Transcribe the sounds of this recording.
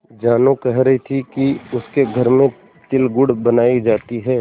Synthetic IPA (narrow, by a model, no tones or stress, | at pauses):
d͡ʒaːnokɛɦɾɐɦit̪ʰikiʊskeɡʱɐɾmẽ | t̪ɪlɡʊɽbɐnaːid͡ʒaːt̪iɦɛː